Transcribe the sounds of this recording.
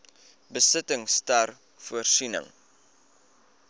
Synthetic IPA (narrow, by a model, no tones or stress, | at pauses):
bəsətəŋstɐr | fuərsinə̰ŋ